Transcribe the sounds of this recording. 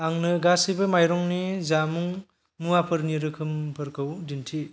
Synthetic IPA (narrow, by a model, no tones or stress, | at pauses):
aŋnɯɡasibɯmajɾɔŋnizamuŋ | muapʰɯɾniɾɯkʰɯmpʰɯɾkʰɯwdintʰi